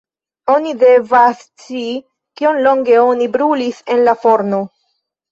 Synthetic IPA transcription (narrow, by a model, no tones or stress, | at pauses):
o̞nide̞vast͡si | kio̞nlo̞ŋɡe̞o̞nibɾulise̞nlafo̞ɾno